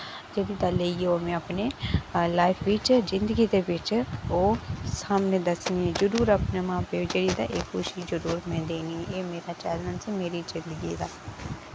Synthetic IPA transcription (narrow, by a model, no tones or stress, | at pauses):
d͡ʒeːɽiːd̪aːleːieoːmɛ̃ːapneːlaːɪpʰʋɪt͡ʃzɪnd̪əɡiːd̪eːbɪt͡ʃoːsaːmneːd̪əsnẽːzəɾuːɾəpneːmãːped͡ʒeːɽiːd̪aːʔekxʊʃiːzəɾuːɾmɛ̃ːd̪eːnĩːeːmeːɾaːt͡ʃɛːlənsimeːɾiːzɪnd̪əɡḭːd̪aː